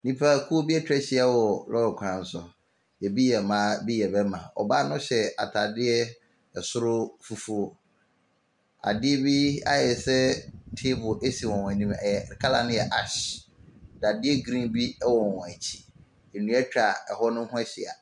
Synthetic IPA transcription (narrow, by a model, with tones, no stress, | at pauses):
nĩ˦pʰa˦˨kʰu˦o˦bi˦ɛ˦t͡ɕᶣɛ˦ɕɪ˦a˦wɔ˨lɔ˦ɾkʷʰã˨n̩˨sʊ˨ | jɛ˨bi˦jɛ˨mã˨˦bi˦jɛ˨bɛ˦mã˨ɔ̰˨ba˦nʊ̃˦ɕɛ˨a̰˨tʰa˨dɪ˦ɛ˦ | ɛ˨sʊ˦ɾʊ˦fu˨fu˨˦ | a̰˨dɪ˦ɛ˦bi˦a̰˦jɛ˨sɛ˦tʰe˦bʊ˨ʔe˦si˨wɔ̃˨w̃æ˨nĩ˦mɛ˨jɛ˨kʰa˦la̰˨nʊ̃˦jɛ˨ʔa˦˨ɕ | da˨dɪ˦ɛ˦ɡɾĩ˦nbi˦wɔ˨wɔ̃˨æ˨t͡ɕʰi̥˨ | e˨nũ˦ɛ˦t͡ɕᶣɾa˨ɛ˨hɔ˦nʊ̃˦hʊ̃˦ɛ˦ɕɪ˨a̰˨